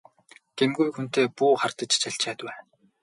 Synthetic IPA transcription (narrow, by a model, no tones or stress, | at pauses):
t̪ʰemɡujxun̥t̪eːpuːχart̪ə̆t͡ɕt͡ɕʰaɬt͡ɕʰæːt̪wæː